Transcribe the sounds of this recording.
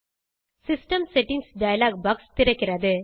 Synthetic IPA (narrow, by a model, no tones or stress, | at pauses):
sɪsʈɐmsɛʈːɪŋɡsɖɐjɐlaːɡ̚bɐkst̪ɪɾɐkːɪɾɐðɯ